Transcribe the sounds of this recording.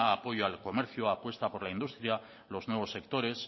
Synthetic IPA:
aːpo̞joalko̞meɾθjuapwe̞st̪apo̞ɾlaind̪ust̪ɾja | lo̞znwe̞β̞o̞sːe̞k̚t̪o̞ɾe̞s

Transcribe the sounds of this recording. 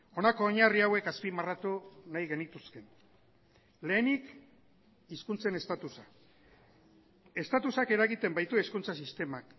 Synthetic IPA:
o̞nako̞ːɲariawe̞kaspimarat̪unajɣe̞nit̪uske̞n | le̞ːnik | iskunt͡se̞ne̞st̪at̪usa | e̞st̪at̪usake̞ɾaɣit̪e̞mbajt̪ueskunt͡sasist̪e̞mak

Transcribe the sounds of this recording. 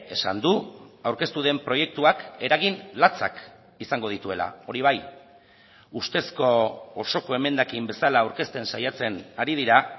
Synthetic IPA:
e̞sa̰nd̪uawɾke̞st̪uðe̞mpɾo̞je̞k̚t̪uake̞ɾaɣinlat͡sa̰k | isaŋɡo̞ðit̪ue̞la̰o̞ɾiβ̞aj | ust̪e̞sko̞ːso̞ko̞e̞me̞nd̪akimbe̞salaːwɾke̞st̪e̞nsajat͡se̞naɾiðiɾa

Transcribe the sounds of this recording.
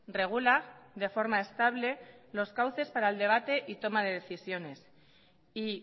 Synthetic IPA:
re̞ɣ̞ulaðe̞fo̞ɾmae̞st̪aβle̞lo̞skawθe̞spaɾaeld̪e̞β̞at̪e̞ʔit̪o̞mað̞e̞ð̞e̞θisjo̞ne̞s | i

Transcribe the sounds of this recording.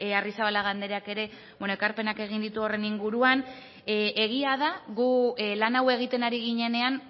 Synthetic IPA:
arisaβalaɣand̪e̞ɾeake̞ɾe̞ | be̞noekaɾpe̞nake̞ɣ̞ind̪it̪uo̞re̞niŋɡuɾuan | e̞ɣ̞iaðaɣulanawe̞ɣ̞it̪e̞naɾiɣ̞iɲe̞ne̞an

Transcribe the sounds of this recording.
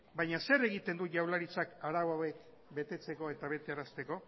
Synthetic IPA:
bajɲase̞ɾe̞ɣit̪e̞nd̪uʝawlaɾit͡sakaɾawawe̞k | be̞t̪e̞t͡se̞ko̞e̞t̪aβe̞t̪eaɾast̪e̞ko̞

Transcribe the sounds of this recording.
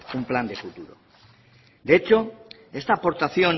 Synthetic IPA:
umpland̪e̞fut̪uɾo̰ | d̪eet͡ʃo̞ | e̞st̪aːpo̞ɾt̪aθjo̞n

